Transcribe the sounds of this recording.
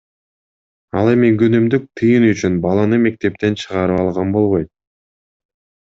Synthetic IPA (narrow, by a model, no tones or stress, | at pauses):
ɑlˠe̞miɡønymd̪yk̚t̪ʰɯjɯnyt͡ʃynbɑlˠɑnɯme̞k̚t̪e̞p̚t̪e̞nt͡ʃʰɯʁɑɾɯpɑlˠʁɑnbo̞lˠβo̞jt̪̚